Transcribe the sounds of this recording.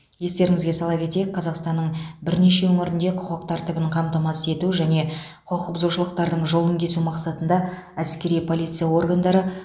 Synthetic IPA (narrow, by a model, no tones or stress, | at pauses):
je̞st̪e̞ɾɪŋɪzɡʲe̞sɑlˠɑpkʲʰe̞t̪e̞jɪk̚qʰːɑzɑqst̪ɑnːəɴbɪɾne̞ʃe̞wɵŋɪɾɪnd̪e̞qʰʊqəqt̪ʰɑɾt̪ɪbəɴqʰɑmt̪ɑmɑse̞t̪uʒæne̞ | qʰoqəqəpzuʃəlˠəqt̪ɑɾd̪əɴʒo̞lˠəŋkʲʰe̞sumɑqsɑt̪ənd̪ɑ | æskʲe̞ɾijpʰo̞lʲˠijt̪sɨjawo̞rɡand̪ɑɾə